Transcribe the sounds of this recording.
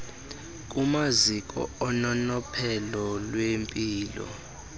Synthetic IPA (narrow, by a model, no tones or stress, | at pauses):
k̬ʼumazikʼɔ̰ɔnɔnɔpʰɛlɔlwempʼiːlɔ̰